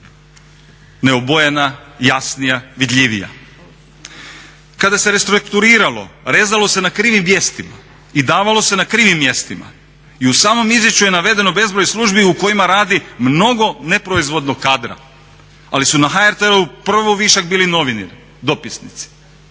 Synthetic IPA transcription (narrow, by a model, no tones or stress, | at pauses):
ne̞obo̞je̞najasnijaʋid̪ʎʲiʋḭja̰ | kad̪ase̞ɾest̪ɾukt̪uɾiːɾalo̞̰ɾe̞ːzalˠo̞se̞nakɾiːʋimːje̞st̪ima̰ | id̪aːʋalˠo̞se̞nakɾiːʋimːje̞st̪ima̰ | iusaːmo̞mizjet͡ʃuje̞naʋe̞d̪e̞no̞be̞zbɾojslˠuʒbiuko̞jimaɾaːd̪imno̞ɡo̞ne̞pɾoizʋo̞d̪noɡkːaːd̪ɾa̰ | alisunaxaeɾt̪eɾoupr̩ʋoʋiːʃaɡbiːlino̞ʋiniɾ | d̪o̞pisnit̪si̥